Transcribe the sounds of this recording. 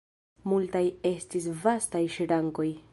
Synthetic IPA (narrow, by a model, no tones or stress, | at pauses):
multaje̞stis̬vastajʃiɾaŋko̞j